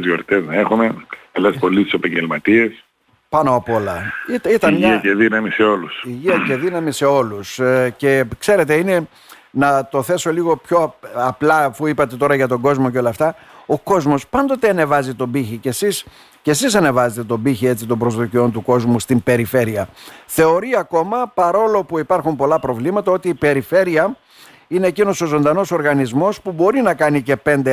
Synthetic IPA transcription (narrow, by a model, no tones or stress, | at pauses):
zjo̞̰ɾt̪eznɐe̞xume̞ɐlespo̞list̪u̥sepɐɲɟelmɐt̪ie̞s | pɐnoɐpolɐit̪it̪ɐnmʝiɐceðinɐmise̞o̞lusiʝiɐceðinɐmise̞o̞lusce̞kse̞ɾe̞t̪e̞ine̞ | nɐt̪o̞θe̞so̞liɣo̞pço̞ɐplɐːfuipɐt̪e̞t̪o̞ɾɐʝɐt̪o̞ɡo̞zmo̞ceo̞lɐːft̪ɐ | o̞ko̞zmo̞spɐnd̪o̞t̪eɐne̞vɐzit̪o̞biçice̞sis | ce̞sisɐne̞vɐzet̪e̞t̪o̞biçie̞t͡sit̪o̞mbɾo̞zðocio̞nt̪uko̞zmust̪impe̞ɾife̞ɾiɐθe̞o̞ɾiɐko̞mɐpɐɾo̞lo̞puipɐɾxumpo̞lɐpɾo̞vlimɐt̪ɐo̞t̪iːpe̞ɾife̞ɾiɐ | ine̞ːcino̞so̞zo̞nd̪ɐno̞so̞ɾɣɐnizmo̞spubo̞ɾinɐkɐnice̞pe̞nd̪e